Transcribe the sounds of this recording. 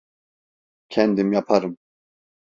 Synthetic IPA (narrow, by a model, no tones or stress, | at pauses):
cʰɛnd̪imjapʰaɾɯm